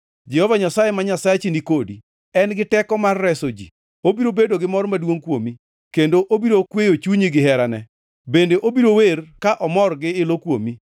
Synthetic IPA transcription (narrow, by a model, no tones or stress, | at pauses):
d͡ʒɛhɔvaɲasajemaɲasat͡ʃinikodḭ | ɛnɡɪtɛkɔmarːɛsod͡ʒḭ | obiɾobedoɡɪmɔɾmadwoŋkwomi | kendoʔobiɾokwejot͡ʃuɲiɡɪɦɛɾanɛ | bendeʔobiɾowerkaʔɔmɔrɡɪɪlokwomi